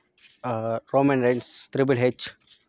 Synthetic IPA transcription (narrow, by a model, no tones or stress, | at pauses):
ɾoːmə̃nɾẽnst̪ɾɪbəlɦed͡ʒ